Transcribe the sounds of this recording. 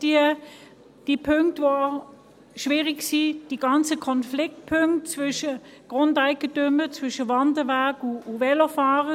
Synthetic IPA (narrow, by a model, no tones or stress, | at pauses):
d̥iə | d̥ipʰʏŋktvoa | ʃviːʁɪɡsiːd̥iɡ̥ɑnt͡səkʰɔnflɪk̚t̚pʰʏŋktt͡svʏʃə | ɡ̥ʁʊndaɪɡətʏmət͡svʏʃəvɑndəvæɐɡʊːvɛlofaːʁə